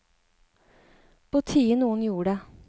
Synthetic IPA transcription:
pʰoːt̪ʰiːənuːənjuːəɖeː

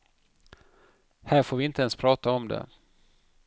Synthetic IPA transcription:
hæːɾfoːvɪɪnt̪əɛnspʰɾɑːt̪aɔmd̪ɛ̰

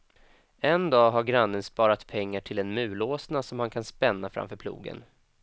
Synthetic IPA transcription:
ɛnd̪ɑːɦaɾɡɾanːənspɑːɾat̪pʰɛŋːaʈʰɪlɛnmʉ̟ːloːsnasɔmhankʰanspɛnːafɾa̰mfœːɾpʰlṵːɡə̰n

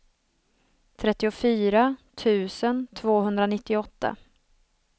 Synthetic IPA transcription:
t̪ʰɾɛt̪ːɪʊfyːɾat̪ʰʉ̟ːsənt̪ʰvoːɦɵnd̪ɾanɪt̪ːɪɔt̪ːa̰

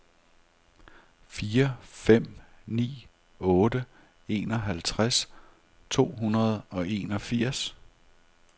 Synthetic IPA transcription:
fiːɐfem̰nḭː | ɔ̽ːdə | e̝̰nɒ̽ɦælt͡sʰʁas | t͡sʰo̝̰ːɦunɐð̞ˠɒ̽ʔe̝nɒ̽fiɐ̰s

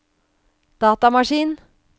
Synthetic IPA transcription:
d̪̥ɑːt̪ɑmɑʂiːn

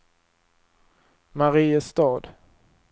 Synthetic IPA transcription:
maɾiːəst̪ɑːd̪

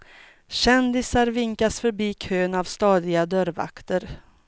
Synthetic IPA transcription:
ɕɛnd̪ɪsaɾvɪŋkasfœɾbiːkʰøːnavst̪ɑːd̪ɪɡad̪œɾva̰kt̪əɾ

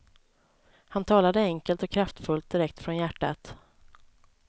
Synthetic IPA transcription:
hant̪ʰɑːlad̪əɛŋkəlt̪ɔkʰːɾaft̪fɵlt̪̚d̪ɪɾɛkt̪fɾɔnjæʈːa̰t̪

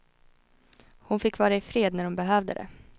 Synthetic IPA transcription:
hʊnfɪkːvɑːɾaɪfɾeːd̪næɾɖʊmbɛɦøːvd̪ə̰d̪ɛ̰

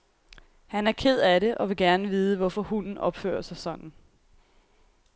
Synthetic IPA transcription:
hænæɐkʰe̝ð̞̰ˠæɾe̝ʔɒ̽ʋe̝ɡ̥æɐnəʋiːð̞ˠəʋɒfɒ̽hunn̩ɒ̽b̥fø̰ːɐsæsɒ̽ŋ̰n̩

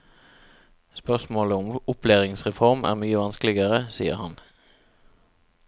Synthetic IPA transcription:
spœʁsmoːləʊmʊpleːʁɪŋsʁɛfɔʁmʔæ̰ːʁmyːəʋɑnsklɪɡəʁəsḭːə̰ʁhɑn

